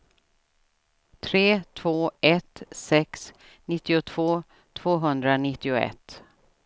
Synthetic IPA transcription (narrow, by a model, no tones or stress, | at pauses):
t̪ʰɾeːt̪ʰv̥oːɛt̪sɛks | nɪt̪ːɪʊt̪ʰv̥oː | t̪ʰv̥oːɦɵnd̪ɾanɪt̪ːɪʊɛ̰t̪ː